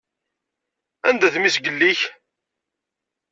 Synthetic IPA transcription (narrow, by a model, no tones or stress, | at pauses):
ænd̪æθmisɡəlːiç